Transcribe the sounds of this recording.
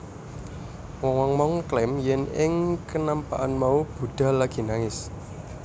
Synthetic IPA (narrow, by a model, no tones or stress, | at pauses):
wɔŋwɔŋmɔŋklɪmjɛnɪŋkənampaʔanmaub̥ṳd̪̥ä̤laɡ̥i̤naŋɪs